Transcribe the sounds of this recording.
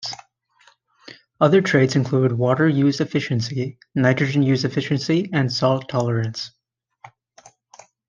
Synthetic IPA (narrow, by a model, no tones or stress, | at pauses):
ʌðə˞tʰɹ̥eɪdzɨ̃nkʰl̥uɾɨd̚wɔɾə˞jʉzɨfɪʃɨ̃nsi | naɪtɹ̥ɨd͡ʒɨ̃njʉzɨfɪʃɨ̃nsiɨ̃nsɔlˠtʰɑlˠə˞ɨ̃ns